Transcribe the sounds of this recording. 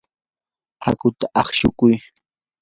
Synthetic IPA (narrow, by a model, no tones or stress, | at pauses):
ha̰kʊt̪aʔɑχʃʊkʊj